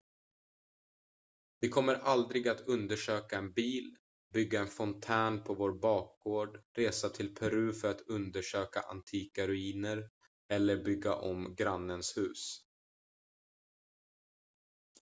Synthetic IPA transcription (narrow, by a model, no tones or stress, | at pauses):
vɪkʰɔmːəɾʔald̪ɾɪɡat̪ɵnd̪əʂøːkaɛnbiːl | bʏɡːaɛnfɔnt̪ʰæːnpʰɔvoːɾbɑːk̚ɡoːɖɾeːsat̪ʰɪlpʰɛɾʉ̟ːfœɾat̪ɵnd̪əʂøːka̰ʔa̰nt̪ʰiːkaɾɵiːnəɾ | ɛlːəɾbʏɡːa̰ʔɔmɡɾanːənshʉ̟ːs